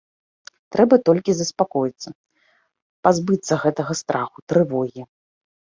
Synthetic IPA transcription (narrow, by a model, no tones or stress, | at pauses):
t̪ɾɛbɐt̪ɔlʲkʲizɐspakɔjit̪sːɐ | pazbɨt̪sːɐɣɛt̪ɐɣɐst̪ɾʔaxut̪ɾɨvɔɣʲi